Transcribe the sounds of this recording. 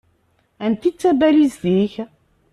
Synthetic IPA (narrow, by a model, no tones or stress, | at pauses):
ænt̪it͡sːæbælisθiç